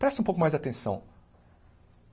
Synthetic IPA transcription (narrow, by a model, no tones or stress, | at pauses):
pɾɛst̪ʊũpowkʊmajzat̪ẽsɐ̰̃w̃